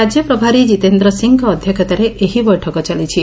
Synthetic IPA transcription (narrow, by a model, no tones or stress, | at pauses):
ad͡ʒjɔpɾɔbʱaɾid͡ʒit̪end̪ɾɔsiŋɡɔːd̪ʱjɔkʰɔt̪aɾeʔeɦibɔjʈʰɔkɔt͡ʃalit͡ʃʰi